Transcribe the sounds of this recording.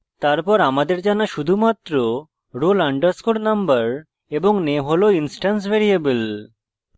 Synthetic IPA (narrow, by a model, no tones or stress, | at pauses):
t̪aɾpɔɾamad̪eɾd͡ʑanaʃud̪ʱumat̪ːɾo | ɾolaɳɖaɾskoɾnambaɾ | eboŋneɦoloinsʈans̬veɾiebel